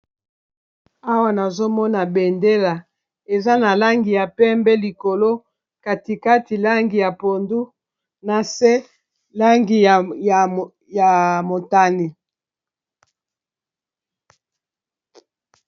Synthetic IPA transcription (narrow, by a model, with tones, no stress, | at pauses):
a˦wa˨na˨zo˦mɔ˦na˨be˨nde˦la˨ | e˨za˦na˨la˦ŋɡi˨ja˨pɛ˦mbɛ˦li˨ko˨lo˦ | ka˨ti˨ka˦ti˨la˦ŋɡi˨ja˨po˨ndu˦ | na˨se˦ | la˦ŋɡi˨a˨ | ja˨mo˨ta˦ni˨